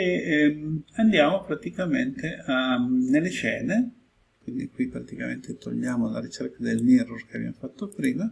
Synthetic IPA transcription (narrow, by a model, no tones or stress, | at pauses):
e | and̪jaːmopɾat̪ikament̪eanelːet͡ʃɛːne | kwind̪ikwipɾat̪ikament̪et̪o̰ʎːaːmolaɾit͡ʃerkad̪elmirurkeabja̰mofat̪ːopɾiːma